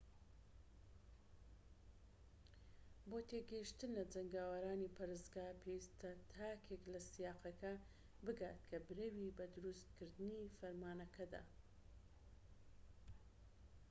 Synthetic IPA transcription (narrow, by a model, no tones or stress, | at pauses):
boːt̪eɡɐiʃt̪ɨnlɐd͡zɐŋɡaːwɐɾaːnipʰɐɾɨzɡaːpʰewist̪ɐt̪ʰaːkʰeklɐsijaːqɐkɐ | bɨɡaːt̪kʰɐbɨɾewibɐd̪ʊɾust̪kɨɾd̪ɨnifɐɾmaːnɐkʰɐd̪a̰